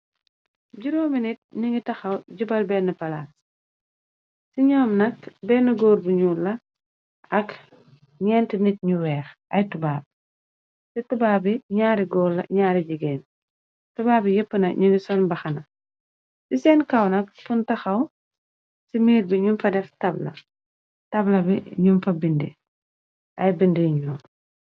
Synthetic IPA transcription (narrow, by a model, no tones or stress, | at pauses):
ɟuɾoːminit̚ɲuŋɡitɐxɐwɟubɐlbɛnːɐpɐlaːs | siɲɔːmnɐkbɛːnːɐɡɔːɾbuɲuːlːɐ | ɐk | ɲɛːntənit̚ɲuwɛːxʔɐjtubaːb̚ | situbaːbiɲaːɾiɡɔːlːɐ̰ɲaːɾid͡ʒiɡɛːn | tubaːbijəpːənɐɲuɡisɔnbɐxɐnɐ | sisɛːnkɐwnɐk̚funtɐxɐw | simiːɾbiɲunfɐdɛftɐblɐ̰ | tɐblɐbiɲumfɐbindḭ | ʔɐjbindiɲuːl